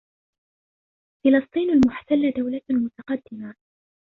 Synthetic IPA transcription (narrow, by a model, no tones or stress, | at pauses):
fɪlɑst̪ˤiːnalmʊħt̪alːad̪awlamʊt̪ɑqɑd̪ːɪma